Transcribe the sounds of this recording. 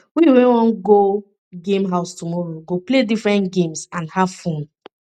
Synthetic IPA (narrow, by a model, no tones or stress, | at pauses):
wiwẽwɔ̃nɡo | ɡẽmɦaʊstumɔɹoɡopledifɹɛ̃ntɡẽmsãnhavfõn